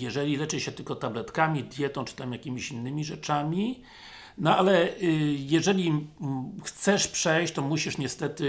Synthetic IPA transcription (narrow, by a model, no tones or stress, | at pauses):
jɛʐɛlʲilɛt͡ʂɘɕɛt̪ɘlkɔt̪ablɛt̪kamʲid̪ʲjɛt̪ɔ̃w̃t͡ʂɘ̥t̪amjakʲimʲiɕinːɘmʲiʐɛt͡ʂamʲi | nɔalɛjɛʐɛlʲi | xt̪sɛʂpʂɛjɕt͡ɕt̪ɔmuɕiʂɲɛst̪ɛt̪ɘ